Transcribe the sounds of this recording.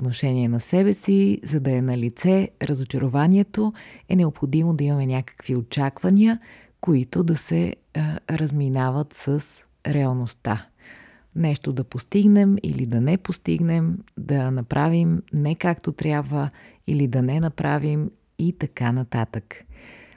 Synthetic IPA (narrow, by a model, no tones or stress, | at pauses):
ot̪noʃɛnʲiɛnɐsɛbɛsizɐd̪ɐɛnɐlit̪sɛɾəzot͡ʃəɾovaniɛt̪oɛnɛopxod̪imod̪ɐimɐmɛnʲakə̥kviot͡ʃakvɐniə | koit̪od̪ɐsɛ | ɾəzminavət̪səs | ɾɛɐlˠnost̪a | nɛʃt̪od̪ɐpost̪iɡnɛmḭlid̪ɐnɛpost̪ḭɡnɛmd̪ɐnɐpɾʔavimnɛkakt̪ot̪ɾʲjabvə | ilid̪ɐnɛnɐpɾʔavim | it̪ɐkanɐt̪at̪ək